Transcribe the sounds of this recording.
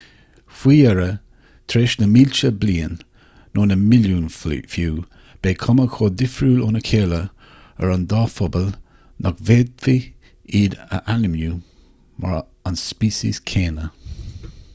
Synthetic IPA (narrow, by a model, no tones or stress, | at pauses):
fwiːɛɹə | t̪ʰɾeːʃnəmiːlt͡ʃəbliːənː | oːnəmɪljuːnfjuː | b̥eːkʰɔməkʰoːd̪ɪfɾuːlonəkʰeːlə | ə̰ɹand̪ɑːfɔbəl | nʔɔkveːd̪̚vi | iːdə̰ʔanəmju | ma̰ɹ | anspiːsḭskʰeːnə